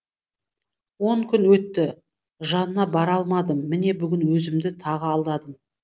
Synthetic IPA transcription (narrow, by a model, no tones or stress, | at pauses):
wo̞ɴkʲʰʏnwɵt̪ːɪ | ʒɑnənɑbɑɾɑlˠmɑd̪əmːɪne̞bʏɡʲɪnwɵzɪmd̪ɪt̪ʰɑʁəɑlˠd̪ɑd̪əm